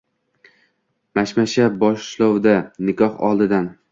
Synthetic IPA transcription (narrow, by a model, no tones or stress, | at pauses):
maʃmaʃabɒʃlˠɒwd̪anɪkʰɒhɒ̰lˠd̪ɪd̪an